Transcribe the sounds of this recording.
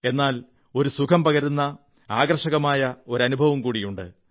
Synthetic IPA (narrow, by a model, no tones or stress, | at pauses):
e̞nːaːl | o̞ɾusukʰɐmpɐɣɐɾunːɐ | aːɡɐɾʂɐɣɐmaːjɐo̞ɾɐnubʱɐʋumkuːɽijuɳɖɨ̰